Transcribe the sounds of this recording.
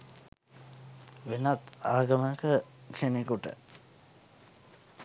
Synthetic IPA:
ʋenat̪aːɡəməkəkʰenekuʈə̰

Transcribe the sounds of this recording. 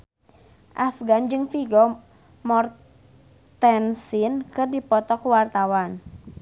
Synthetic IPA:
ʔafɡand͡ʒɨŋfiɡɔ | mɔr | t̪ɛnsinkɨrdipɔt̪ɔkuwart̪awan

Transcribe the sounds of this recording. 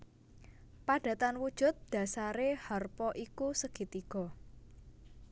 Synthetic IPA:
paɖ̥ä̤t̪anwud̥ʒ̥ʊ̤t̪̚d̪̥ä̤saɾehɔrpɔʔikusəɡ̥i̤t̪iɡ̥ɔ̤

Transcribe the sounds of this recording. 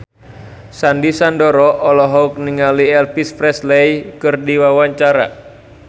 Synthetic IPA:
sandisandɔɾɔʔɔlɔɦɔuk̚niŋaliɛlpispɾɛslɛjkɨrdiwawaɲt͡ʃaɾa̰

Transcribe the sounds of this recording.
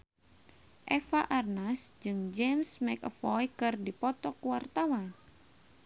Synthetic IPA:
ʔɛfaʔarnasd͡ʒɨŋd͡ʒɛmsmɛkəfɔjkɨrdipɔt̪ɔkuwart̪awa

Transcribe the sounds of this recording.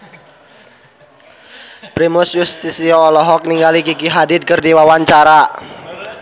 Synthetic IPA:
pɾimusjust̪isiɔːlɔɦɔk̚niŋɡalikikiɦadɪd̪̚kərdiwawaɲt͡ʃaɾa

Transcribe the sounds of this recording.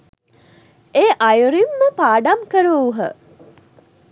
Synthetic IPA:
eːʔajuɾimːəpaːɖamkəɾuːɦə̰

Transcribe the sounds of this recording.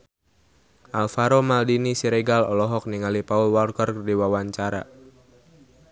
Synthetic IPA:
ʔalfaɾomaldinisiɾeɡalɔ̰lɔɦɔk̚niŋalipaulwarkɔrkərdiwawaɲt͡ʃaɾa̰

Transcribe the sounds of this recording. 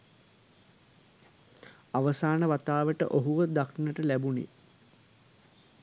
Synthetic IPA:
aʋəsaːnəʋat̪aːʋəʈə̰ʔoɦuʋəd̪akinəʈəlæbunḭ

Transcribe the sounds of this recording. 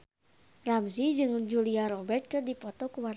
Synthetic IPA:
ramsid͡ʒɨŋd͡ʒuliaɾɔbɛrt̪̚kɨrdipɔt̪ɔkuwar

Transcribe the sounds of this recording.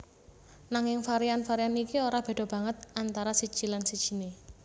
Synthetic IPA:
naŋɪŋfaɾianfaɾianikioɾab̥e̤ɖ̥̪ɔ̤b̥ä̤ŋət̪̚ant̪aɾasid̥ʒ̥i̤lansid̥ʒ̥i̤ne

